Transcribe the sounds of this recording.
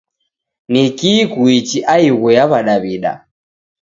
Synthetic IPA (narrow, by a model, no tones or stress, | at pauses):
nikikuit͡ʃiʔaiɣɔjaβaɗaβiɗa̰